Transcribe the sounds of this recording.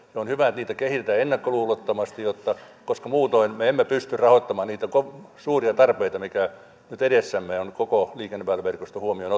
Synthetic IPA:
seonhyʋæet̪niːt̪ækehit̪et̪æenːɑkːoluːlot̪ːɑmɑst̪ijjot̪ːɑ | koskɑmuːt̪oinmeemːepyst̪yrrɑhoit̪ːɑmɑːnniːt̪ækosuːriɑt̪ɑrpeit̪ɑmikæ | nyt̪eɾesːæmːeonkokoliːkenːepæːlːæʋerkost̪ohuomiono

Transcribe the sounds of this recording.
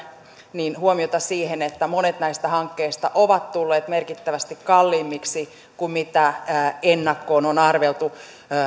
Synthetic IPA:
niːnhuomiot̪ɑsiːhenet̪ːæmonet̪næist̪æhɑŋkːeist̪ɑʔoʋɑt̪t̪ulːeːt̪merkit̪ːæʋæst̪ikkɑlːiːmːiksi | kummit̪æːenːɑkːoːnonɑrʋelt̪u

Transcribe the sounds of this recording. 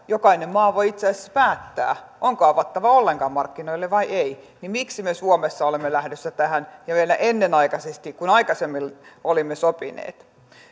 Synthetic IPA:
jokɑinemmɑːʋoiit̪seæːˑse̥sːpæːt̪ːæ̰ːʔoŋkoɑʋɑt̪ːɑʋɑolːeŋkɑːmmɑrkːinoilːeʋʋɑiʔei | nimiksimesuomesːɑolemːelæhdøsːæt̪æhænjɑʋielæʔenːenɑikɑsest̪ikkunɑikɑsemːilolimːesopinḛːt̪

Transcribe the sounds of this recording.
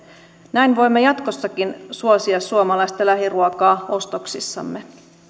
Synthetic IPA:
næjnʋo̞jmːejɑt̪kosːɑkinsuosiɑsːuomɑlɑjst̪ɑlæɦiruokɑːo̞st̪oksisːɑ̰mːe̞

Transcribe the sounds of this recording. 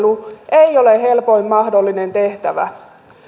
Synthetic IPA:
luʔeioleɦe̞lpo̞imːɑhdo̞lːinent̪eht̪æʋæ̰

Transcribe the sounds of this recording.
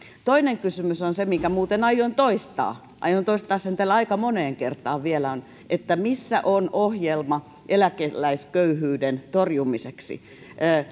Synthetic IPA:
t̪oineŋkysymysonsemiŋkæmuːt̪enɑjont̪oist̪ɑ̰ː | ʔɑ̰jont̪oist̪ɑːssent̪ælːɑikɑmoneːŋkert̪ˑɑːʋʋielæon | ʔet̪ːæmisːæ̰ʔonohjelmɑ | ʔelækelːæiskøyhyːdent̪orjumiseksḭ | ʔəː

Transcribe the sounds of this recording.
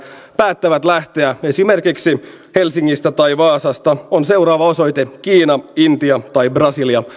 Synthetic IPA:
pæːt̪ːæʋæt̪læht̪e̞æe̞sime̞rkiksihe̞lsiŋːist̪æt̪ɑjʋɑːsɑst̪ɑonse̞wɾɑːʋɑo̞so̞jt̪ekiːnɑint̪iɑt̪ɑjbrɑsiliɑ

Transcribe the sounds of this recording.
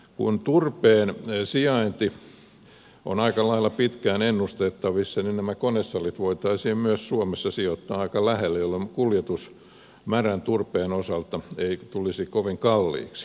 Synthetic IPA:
kṵnt̪urpeːnsiɑint̪i | o̰nɑikɑlɑilːˑɑpit̪kæːnenːust̪et̪ːɑʋisːɑninnæmækonesːɑlit̪ʋoit̪ɑisiːmmyøssuomesːɑsiot̪ːɑːɑikɑlæhelːæjolːemkuljet̪us | mærænt̪urpeːnosɑlt̪ɑeit̪ulisikoʋiŋkɑlːḭːks

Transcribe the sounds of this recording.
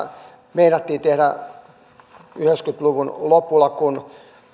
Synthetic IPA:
meinɑt̪ːiːt̪ehɾæ | yhekskyt̪luʋunlopːulːˑɑkun

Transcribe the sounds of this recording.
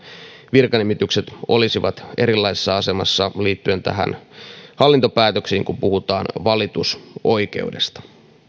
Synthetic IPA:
ʋirkɑnimit̪ykset̪o̞̰lisiʋɑt̪e̞ɾilːɑisesːɑɑse̞mɑsːɑliːt̪ːye̞nt̪æ̰ɦæ̰nhɑlːint̪o̞pæːt̪øksiːŋkumpuhut̪ɑːnʋɑlit̪uso̞jk̟e̞̰ude̞̰st̪ɑ̥

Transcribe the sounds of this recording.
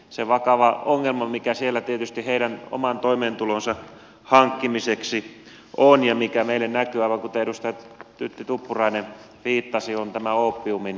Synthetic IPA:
seʋɑkɑʋɑoŋːelmɑmikæsielːæt̪iet̪yst̪iheiɾæno̰mɑnt̪oimeːnt̪ulonsɑ | hɑŋkːimiseksi | ʔonjɑmikæmeilːennækyɑˑiʋɑŋkut̪eeɾust̪ɑjɑt̪yt̪ːit̪upːurɑine | ʋiːt̪ːɑsiont̪æmæoːpːiumin

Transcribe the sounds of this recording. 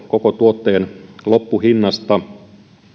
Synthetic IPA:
kokot̪uot̪ːeːnlopːuhinːɑst̪ɑ

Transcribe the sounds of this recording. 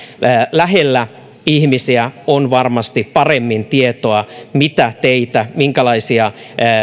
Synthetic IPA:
læɦelːæ | ihmisiæonʋɑrmɑst̪ippɑremːint̪iet̪oɑmit̪æt̪eit̪æmiŋkælɑisiɑ

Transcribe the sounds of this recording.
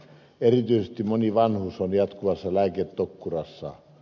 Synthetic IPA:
erit̪yˑisest̪imoniʋɑnhuːsːonjɑt̪kuʋɑsːɑlæːket̪t̪okːurɑsːɑ̰

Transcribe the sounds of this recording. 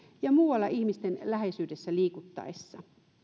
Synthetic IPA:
jɑmuːwɑlːɑʔihmist̪enlæhesyːdesːæliːkut̪ːɑ̰esːɑ

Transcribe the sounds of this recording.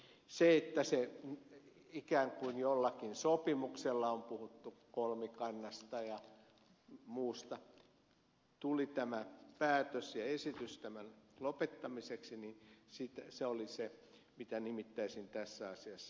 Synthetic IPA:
seet̪ːæse | ikæːŋkuinjolːɑkinsopimukselːɑompuhut̪ːukolmikɑnːɑst̪ɑjɑ | muːst̪ɑ | t̪ulit̪æmæpæːt̪øsjɑesit̪yst̪æmænlopet̪ːɑmiseksininsit̪æseolise | mit̪ænimit̪ːæisint̪æsːæɑsiɑsːɑ

